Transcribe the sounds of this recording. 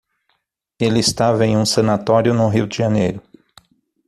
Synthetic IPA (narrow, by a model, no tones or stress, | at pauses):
elɪɪst̪avɐẽj̃ũsɐ̃nat̪ɔɾjʊnʊɦiwd͡ʒɪʒɐnejɾʊ